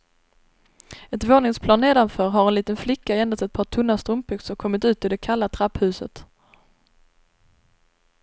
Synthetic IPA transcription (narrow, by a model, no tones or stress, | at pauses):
ɛt̪voːnɪŋspʰlɑːnːeːd̪anfœːɾɦaɾɛnliːt̪ənflɪkːaɛnd̪at̪ɛt̪̚pʰɑːʈʰɵnːast̪ɾɵmpʰʏkt̪sɔkʰɔmːɪt̪ʉ̟ːt̪ɪd̪ɛkʰalːat̪ʰɾaphʉ̟ːsə̰t̪